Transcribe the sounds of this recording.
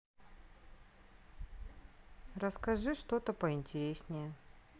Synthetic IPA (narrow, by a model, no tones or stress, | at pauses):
rəskɐʐɨʂt̪ot̪əpəɪnʲtʲɪɾʲesʲnʲɪjə